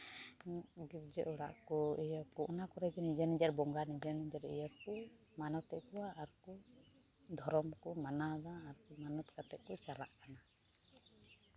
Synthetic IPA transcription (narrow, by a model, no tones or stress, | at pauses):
ɡiɾd͡ʒɛʔuɽa̰ʔkɔɛjɔkɔʔɔnakɔɾɛd͡ʒɛnid͡ʒanid͡ʒaɾbɔŋɡanid͡ʒanid͡ʒaɾɛ̰jakɔ | manɔt̪ɛʔkuwaːɾkɔ | d̪ʱɔɾɔmkɔmanad̪aːɾkɔmanɔt̪kat̪ɛʔkɔt͡ʃala̰ʔkana